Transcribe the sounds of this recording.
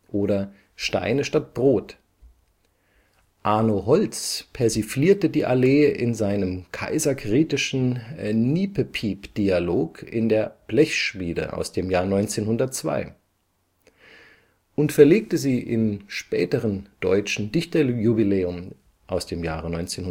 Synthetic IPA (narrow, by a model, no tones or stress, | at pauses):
ʔoːɾɐ | ʃta̰ɪnəʃtat̚b̥ʁoːt | ʔaːnoɦɔlt͡spʰɛɐzifliːɐtədiːʔaleːʔɪnzaɪnəmkʰa̰ɪzɐɡʁ̥iːtɪʃn̩niːpəpʰiːpd̥ialoːkʰɪ̰ndeːɐb̥lɛçʃmiːdə̰ʔa̰ʊsd̥eːmjaːɐnɔʏnt͡seːnhʊndɐtt͡sv̥a̰ɪ | ʔʊntfɛɐleːk̚təziːʔɪ̰mʃpɛ̰ːtəʁənd̥ɔ̰ʏt͡ʃn̩dɪçtɐjubileːʊm | ʔaʊsd̥eːmjaːʁənɔʏnt͡seːnhʊ